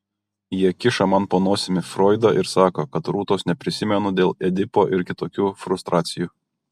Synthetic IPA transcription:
jiɛkʲɪʃɐmɐnpoːnuɔsʲɪmʲɪfɾɔːɪd̪oʔɪɾsɑːkoːkɐt̪ɾuːt̪oːsnʲɛpʲɾʲɪsʲɪmʲɛnʊd̪ʲeːlˠɛd̪ʲɪpoːʔɪɾkʲɪt̪oːkʲuːfɾʊst̪ɾʔɑːt̪sʲɪjuː

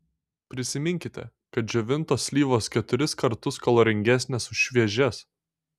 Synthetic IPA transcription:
pʲɾʲɪsʲɪmʲɪŋʲkʲɪt̪ʲɛ̰ | kɐt̪̚d͡ʒʲɛʋʲɪnt̪oːsʲlʲiːʋoːskʲɛt̪ʊɾʲɪskɐɾt̪ʊskɐlˠoːɾʲɪŋʲɡʲæsʲnʲeːsʊʃʃʲʋʲiɛʒʲɛs

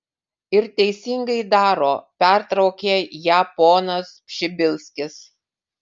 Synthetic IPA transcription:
ɪɾt̪ʲɛɪsʲɪŋɡɐɪd̪ɑːɾoːpʲɛɾt̪ɾɐʊkʲeːjæpoːnɐspʲʃʲɪbʲɪlˠʲsʲkʲɪs

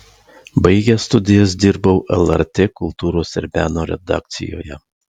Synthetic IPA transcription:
bɐɪɡʲɛst̪ʊd̪ʲɪjɛs̬d̪ʲɪɾbɐʊʔɛlˠɐɾʲt̪ʲeːkʊlˠt̪uːɾoːsɪɾʲbʲæːnoːɾʲɛ̰d̪ɑ̰ːk̚t̪sʲɪ̰jo̰ːjɛ

